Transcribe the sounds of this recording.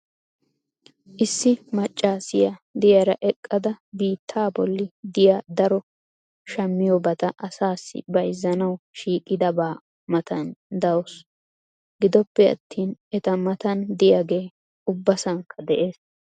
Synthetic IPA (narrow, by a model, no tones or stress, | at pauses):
ʔɪsːɪmɐt͡ʃʼːaːsɪjɐd̪ɪjɐɾɐʔɛkʼːɐd̪ɐbiːt̪ʰːaːbɔlːɪd̪ɪjaːd̪ɐɾɔ | ʃɐmːɪjɔbɐt̪ɐʔɐsaːsːɪ̰bɐjzːɐnɐwʃiːkʼːɪd̪ɐbaː | mɐt̪ʰɐnd̪ɐwos | ɡɪd̪ɔpːɛɐ̰t̪ːiːnɛt̪ɐmɐt̪ɐnd̪ɪjaɡe̞ː | ʊbːɐsɐŋkʰːɐd̪ɛʔeːs